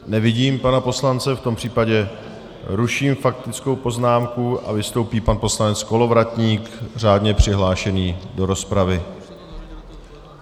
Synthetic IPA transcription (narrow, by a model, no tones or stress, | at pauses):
nɛvɪɟiːmpanapo̞slant͡sɛft̪o̞mpr̝̥iːpaɟɛ | ɾuʃiːmfak̚t̪ɪt͡sko̞wpo̞znaːmkuʔa̰vɪst̪o̞wpiːpanpo̞slanɛt͡sko̞lo̞vɾat̪ɲiːkr̝aːdɲɛpr̝̥ɪɦlaːʃɛniːdo̞ɾo̞spɾavɪ